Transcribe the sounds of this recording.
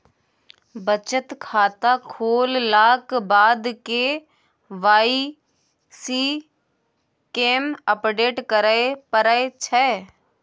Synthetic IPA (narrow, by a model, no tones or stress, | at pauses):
bət͡ʃət̪kʰaːt̪akʰoːlːaːkbaːd̪ke | ʋaːi | siː | keːməpɖeːʈkəɾəepəɾəet͡ʃʰɛː